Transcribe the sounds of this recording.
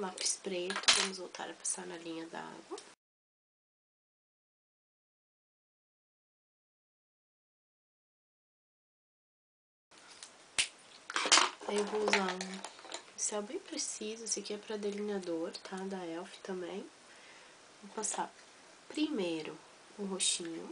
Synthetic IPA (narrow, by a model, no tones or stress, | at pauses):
lapɪ̥spɾet̪ʊvɐ̃mʊzvowt̪ʰa̰ɾɐpḁsaɾnɐlĩɲɐd̪ɐ̰a̰ɡwɐ | ewvouzã | sɪɛwbẽj̃pɾesizʊsɪkiɛpɾɐd̪elinad̪oɾt̪ʰad̪ɐɛwfɪ̥t̪ɐ̃mbẽj̃ | vopasaɾ | pɾimejɾʊ | ũɦoʃĩɲʊ̰